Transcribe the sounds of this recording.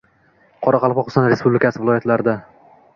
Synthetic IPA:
qʰɒɾaqʰɑlˠpɒqɨ̥sɒnɾespublɪkʲasɪvɪlˠɒjat̪laɾɪd̪a

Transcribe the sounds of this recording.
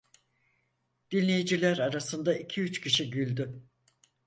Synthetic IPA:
d̪̥inlʲejid͡ʒilʲæɾaɾasɯnd̪aicʰiyt͡ʃcʰiʃiɟylʲd̪y

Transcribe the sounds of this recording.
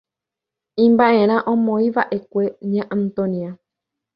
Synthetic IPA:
ĩmbaʔẽ̞ɾ̃ãʔõmõĩʋaʔe̞kʷe̞ɲãʔãnt̪õnia

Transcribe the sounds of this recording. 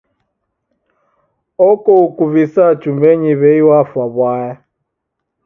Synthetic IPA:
ɔkɔukuvisḁt͡ʃumbeɲiβeiwafwaβwaja

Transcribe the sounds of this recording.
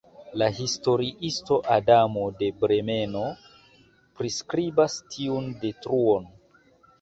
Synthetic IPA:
lahisto̞ɾiʔisto̞ʔadamo̞de̞bɾe̞me̞no̞ | pɾiskɾibastʰiunde̞tɾuo̞n

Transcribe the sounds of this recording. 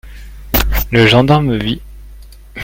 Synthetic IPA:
ləʒɑ̃d̪aʁmvi

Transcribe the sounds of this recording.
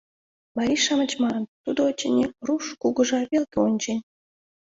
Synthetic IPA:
mɑɾʲiʃɑmət͡ɕmɑnənt̪ud̪oot͡ɕːenʲiruʃkuɣə̆ʒɑβelkʲeonʲt͡ɕenʲ

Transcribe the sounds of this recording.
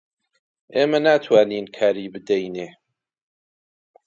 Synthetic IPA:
ʔeːmɐnaːt̪ʰwaːniːnkʰaːɾiːbɨd̪ɛjneː

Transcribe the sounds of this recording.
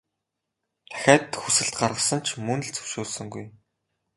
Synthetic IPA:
t̪ʰæ̥xʲæːt̪xusɘ̆ɬt̪ɢarʁə̆sə̆nt͡ɕʰmɵnɵ̆ɮt͡sɵ̥wʃʊːɮsɵ̆ŋɡuj

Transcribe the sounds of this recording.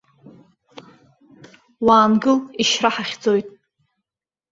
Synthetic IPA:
waːnɡɨliʃraħaχʲd͡zojtʼ

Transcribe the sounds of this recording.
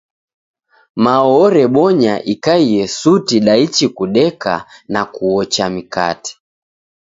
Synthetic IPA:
maɔɔɾɛɓɔɲaʔikaijɛsutiɗait͡ʃikuɗɛka̰nakuɔt͡ʃamika̰ti̥

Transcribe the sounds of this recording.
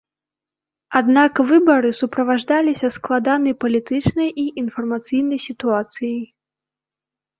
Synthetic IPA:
ad̪nakvɨbɐɾɨsupɾɐvaʐd̪alʲisʲɐsklˠad̪anɨjpɐlʲit̪ɨt͡ʂnɐjʔiʔinfɐrmɐt̪sɨjnɐjsʲit̪uat̪sɨjɐj

